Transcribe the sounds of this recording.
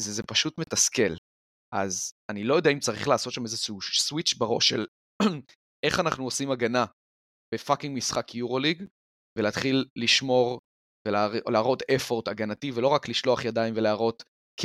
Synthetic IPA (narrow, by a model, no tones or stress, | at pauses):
zzepaʃutmetaskel | ʔa̰zanilo̞jodɛaimt͡saʁḭχlaːso̞t̪ʃamezeʃuuswit͡ʃbaʁo̞̰ʃːḛl | ʔe̞χanaχnuosimaɡana | b̥e̞fakiŋɡmisχakʰjuʁo̞liɡ | veleːt̪χilːiʃmo̞ʁ | velaleːʁo̞t̪efo̞ʁt̪aɡanativelo̞ʁakliʃlo̞aχjad̪ajimveleaʁo̞t | k